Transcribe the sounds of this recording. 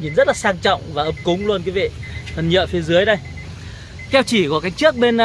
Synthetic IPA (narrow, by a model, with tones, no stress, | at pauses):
ɲi˨˩nzə˦˥t̚laː˨˩saː˧ŋt͡ɕɔ̰˧˨wŋ͡mvaː˨˩ʔə˧˩m̚kʊ˨˦ŋ͡mlu˧ənku˨˦vḭ˧˨fʰə˨˩nɲə̰˧˨fi˨˦zɨ˨˦əjɗə˧j | kɛ˧wt͡ɕi˧˩ku˧˩kaː˨˦j̚t͡ɕɨ˦˥ək̚ɓe˧n˧